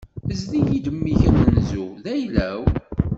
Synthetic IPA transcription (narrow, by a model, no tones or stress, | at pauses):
əzðijid̪əmːiçənənzuðæjlæw